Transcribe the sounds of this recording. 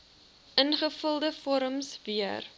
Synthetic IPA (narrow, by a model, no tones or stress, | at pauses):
ʔənχəfəlˠdəfɔɾəmsviər